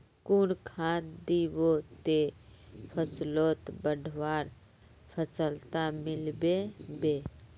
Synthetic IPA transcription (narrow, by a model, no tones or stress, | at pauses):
kuːnkʰaːd̪iwot̪epʰəsloːt̪bəɖʱʋaːɾ | pʰəsəlt̪amɪlbebeː